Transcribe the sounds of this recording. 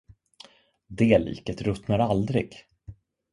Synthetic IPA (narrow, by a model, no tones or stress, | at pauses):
d̪eːlḭːkət̪ɾɵt̪naɾald̪ɾɪ̰ɡ